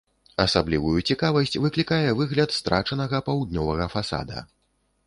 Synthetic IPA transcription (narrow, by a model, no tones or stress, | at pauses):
ɐsablʲivujut͡sʲikavɐsʲt͡sʲvɨklʲikajɛvɨɣlʲɐt̪st̪ɾʔat͡ʂɐnɐɣɐpawd̪̚nʲɔvɐɣɐfasa̰d̪ɐ̰